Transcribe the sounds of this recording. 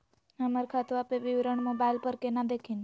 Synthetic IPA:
əmaɾkʰat̪uapeʋiʋɾəɳmobailpəɾkenad̪ekʰin

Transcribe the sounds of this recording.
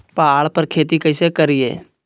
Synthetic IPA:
paːɭpəɾkʰeːt̪ikəɪsekəɾɪjḛː

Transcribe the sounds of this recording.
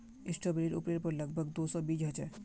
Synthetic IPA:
isʈʰobeɾiɾṵpɾeɾpɔɾlɔɡ̚bʱɔɡd̪osobid͡ʑɦot͡ɕʰe

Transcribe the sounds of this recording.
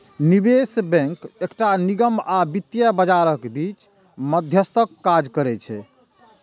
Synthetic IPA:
nibesbɛ̃ŋkekʈaniɡəmabit̪ːjəbəd͡ʒaɾəkbit͡ʃ | məd̪ʱjəst̪ʰəkːad͡ʒkəɾɛt͡ʃʰɛ

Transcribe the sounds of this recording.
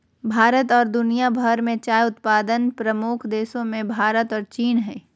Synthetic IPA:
bʱaːɾət̪ɔːɾd̪ʊnijabʱəɾmẽt͡ʃaːjʊt̪paːd̪ənpɾɐmukʰd̪eːsõmẽbʱaːɾət̪ɔːɾt͡ʃiːnɦɛː

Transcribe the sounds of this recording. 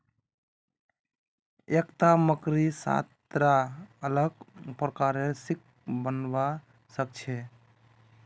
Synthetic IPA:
ekt̪aməkɾisa̰t̪ɾaələɡpɾəkaɾesik̚ | bənba | sək̚t͡ʃʰɛ

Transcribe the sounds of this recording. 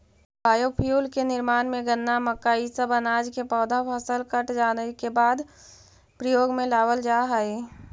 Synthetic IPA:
bʱaːjopʰjuːlkenɪɾmaːnmẽɡənːaməkaːisəbənaːd͡ʒkepɔːd̪apʰəsəlkəʈd͡ʒaːnəkebaːd̪ | pɾəjoːɡmẽlaːwəld͡ʒaːɦəi

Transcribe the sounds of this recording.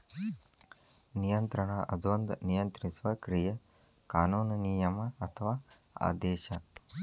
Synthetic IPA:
nijɐnt̪ɾɐɳaʔɐd̪ʱʋɐnd̪nijɐnt̪ɾisʋɐkɾijɐ | kaːnuːnɐnijɐmɐɐt̪ʰɐʋaː | a̰ːd̪eːʃɐ

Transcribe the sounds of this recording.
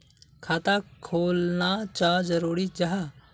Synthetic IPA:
kʰaːt̪akʰoːlnat͡ʃaːd͡ʒəɾuːɾid͡ʒɐɦa

